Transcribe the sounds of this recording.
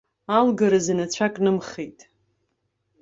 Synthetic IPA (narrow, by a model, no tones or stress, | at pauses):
alɡaɾazanat͡ɕʷʰakʼnɨmχejtʼ